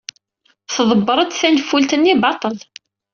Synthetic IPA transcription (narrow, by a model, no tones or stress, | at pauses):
θəðˤəbːəɾˤəd̪θænfːult̪ənːibɑt̪ˤəl